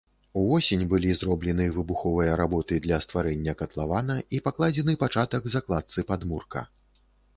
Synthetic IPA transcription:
uvɔsʲenʲbɨlʲizrɔblʲɛnɨvɨbuxɔvɨjɐɾabɔt̪ɨd̪lʲɐst̪vaɾɛnʲːɐkɐt̪lˠavanɐipaklˠad͡zʲɛnɨpat͡ʂat̪ɐɡzaklˠat̪sɨpad̪murkɐ̰

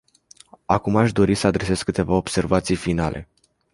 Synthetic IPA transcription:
akumaʃd̪o̞ɾisəad̪ɾe̞se̞skːɨt̪e̞vao̞bse̞rvat̪sijfinalʔe̞̰

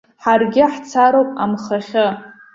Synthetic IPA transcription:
ħarɡʲɪħt͡sʰaɾowpʼamχaχʲɨ

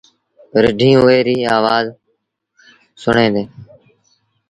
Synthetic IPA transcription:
ɾɪɖʱiːũːʋeːɾiːaːʋaːz | sʊɳẽːd̪eː

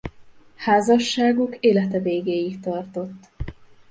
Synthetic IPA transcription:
haːzɒʃːaːɡukeːlɛt̪ɛveːɡeːjikt̪ɒrt̪o̞t̪ː

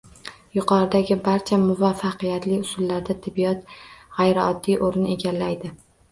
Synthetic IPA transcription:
jʊqʰɒɾɪd̪aɡʲɪbaɾt͡ʃʰamʊvafɑqʰijat̪lɪʊsʊlːaɾd̪at̪ʰːɪbːijɒt̪ʁajɾɪɒd̪ːiʔoɾnɪe̞ɡʲalːajd̪ɪ

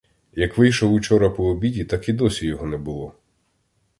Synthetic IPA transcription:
jɐkʋɪjʃɔwʊt͡ʃɔɾɐpɔːbʲidʲit̪ɑkid̪ɔsʲijɔɦɔnɛbʊlˠɔ

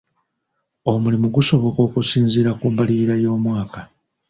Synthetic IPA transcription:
o̞mulimuɡuso̞βo̞ko̞ːkusiːnziɾakuːmbaliiɾajo̞ːmwaːka

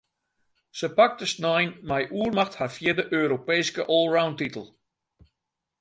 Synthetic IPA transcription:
səpak̚təsnɔjnmɛjʔuərmaxtharfjɪrdəʔøːɾopeːskəʔoːlˠrawntitəlˠ

